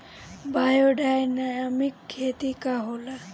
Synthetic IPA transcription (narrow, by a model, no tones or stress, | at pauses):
bajoɖajnajamikkʰːet̪ikaɦola